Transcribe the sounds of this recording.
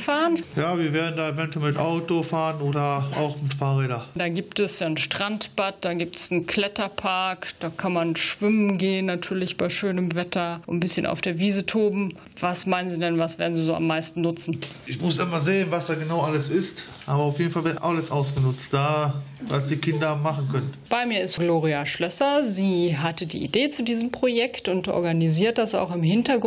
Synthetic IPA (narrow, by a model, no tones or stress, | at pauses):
faːʁənjaːviːɐveːɐdn̩daːevɛntuɛlmɪtʔaʊtofaːʁənoːɾɐaʊxmɪtfaːʁeːdɐdaːɡiːptɛsjaːnʃtʁ̥antb̥at̚d̥aːɡiːp̚tsn̩kʰl̥ɛtɐpʰaɐkd̥aːkʰanmanʃv̥ɪmənɡeːənːatʰyːɐlɪçb̥aɪʃøːnəmvɛtɐʔʊnbɪsçənʔa̰ʊfd̥eːɐviːzətʰoːbm̩ | vasmaɪnənziːdɛnvasv̥eːɐdn̩ziːzoːʔa̰mːaɪstn̩nʊt͡sn̩ʔɪçmʊsʔɪmɐzeːənvasd̥aːɡənaʊʔaləsɪst | ʔaːbɐaʊfjeːdn̩falvɪɐtʔaləsʔaʊsɡ̥ənʊt͡std̥aː | va̰sd̥iːkʰɪndɐhaːmaχn̩kʰœnənb̥aɪmiːɐɪstɡ̥loːʁiaʃlœsɐziːɦatədḭːʔḭdeːt͡sudiːzəm̩pʁ̥ojɛktʊntʔɔ̰ɐɡaniziːɐt̚d̥asa̰ʊxɪmɦɪntɐɡ